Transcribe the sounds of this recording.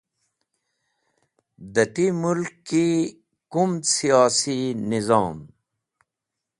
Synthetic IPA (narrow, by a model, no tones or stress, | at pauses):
d̪ɐʈimulkːi | kumd̪sijaːsinizɑːm